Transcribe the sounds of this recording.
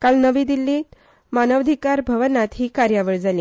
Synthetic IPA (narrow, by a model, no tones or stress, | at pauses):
kalnəʋiːd̪ilːi | manəʋd̪ʱikaɾbʱəʋənat̪ɦiːkaɾjaʋəɭd͡zaliː